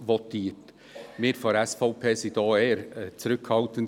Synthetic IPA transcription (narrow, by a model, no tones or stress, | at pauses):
ʋɔtʰiːət | mɪːɾfɔɾɛsfɔʊpʰeːsid̪ɑːeːəɾt͡sɾʏkʰhɑlt̪ən